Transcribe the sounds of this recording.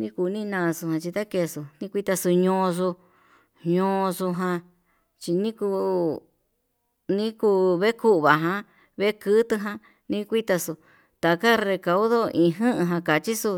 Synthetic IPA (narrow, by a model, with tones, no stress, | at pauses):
nĩ˦ku˧˨˧nĩ˦˧nãː˧su˧hã˧t͡ʃi˧t̪a˦ke˧˨su˧nĩ˦˧kʷi˦t̪a˧su˧ɲõː˧su˧ | ɲõ˧su˧ɦã˧ | t͡ʃi˧nĩ˦ku˧ | nĩ˦ku˧βe˦ku˦ʔβa˨ɦã˧ | βe˦kɨ˦t̪ɨ˧ɦã˧ | nĩ˧kʷi˦t̪a˧su˧ | t̪a˨ka˦re˧ka˧u˦ðo˦ĩ˨˧ɦɨ̃˦ʔɨ̃˧ɦã˧ka˨t͡ʃi˦su˧